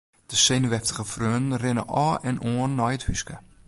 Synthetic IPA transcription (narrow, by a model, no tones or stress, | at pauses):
d̥əsenʋɛftəχəfrøːndn̩rɪnə̰ʔɔːɛnʔoənːɔjəthyskə